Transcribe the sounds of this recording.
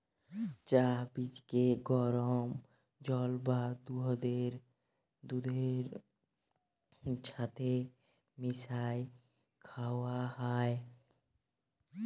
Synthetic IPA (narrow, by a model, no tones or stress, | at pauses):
t͡ʃaɦbit͡ʃkeɡɔɾɔm | d͡ʒɔlbad̪uɦəd̪eɾ | d̪ud̪eɾ | t͡ʃʰat̪ʰe | misaj | kʰawaɦae